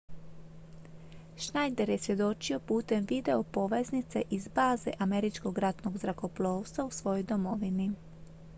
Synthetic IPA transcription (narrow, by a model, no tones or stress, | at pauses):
ʃnajd̪e̞ɾje̞sʋje̞d̪o̞t͡ʃio̞puːt̪e̞mʋid̪e̞o̞po̞ʋe̞znit̪se̞̰ʔizbaːzḛʔame̞ɾit͡ʃko̞ɡɾat̪no̞ɡzɾako̞plˠoːwst̪ʋausʋo̞jojd̪omo̞ʋini